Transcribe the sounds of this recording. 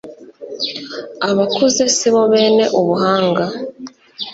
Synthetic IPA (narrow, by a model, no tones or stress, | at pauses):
aβakuze̞siβoβe̞ːne̞ʔuβuɦaːŋɡa